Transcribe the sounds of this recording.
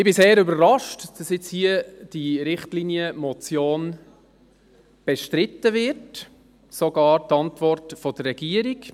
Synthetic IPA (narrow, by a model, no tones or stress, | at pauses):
ɪbɪseːɾʏbəɾrɑʃtd̥ɑsjɪt͡shiəd̥iɾɪχtlinjəmɔt͡sjoːn | b̥ɛʃtɾɪtːəvɪrt | soɡɑːɾtɑntvɔrtfɔdərːɛɡ̥iəɾik